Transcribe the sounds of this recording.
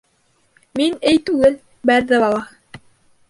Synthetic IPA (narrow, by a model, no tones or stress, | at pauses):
minɘjt̪ʉɡɘl | bæɾðɘbɑlˠɑ